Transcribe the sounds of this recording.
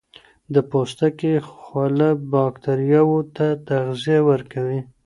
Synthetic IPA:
d̪əpost̪akexwalabɑkt̪aɾijɑwot̪at̪aɣzijawəɾkawi

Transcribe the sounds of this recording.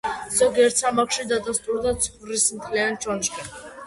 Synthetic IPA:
z̥ɔɡiɛɾt̪samakʃid̪ad̪ast̪ʼuɾd̪at̪sʰχvɾismt̪ʰlɛant͡ʃʰɔnʃkʼɛ

